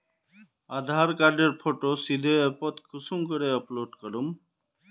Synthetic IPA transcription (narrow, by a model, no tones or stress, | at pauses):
ad̪ʱaɾkaɾɖeɾpʰoʈosid̪ʱeepɔt̪kʰʊsumkəɾeɔploɖkəɾum